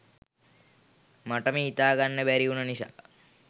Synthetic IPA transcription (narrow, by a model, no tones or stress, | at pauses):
maʈəmiit̪aːɡanːəbæɾiunənisa̰ː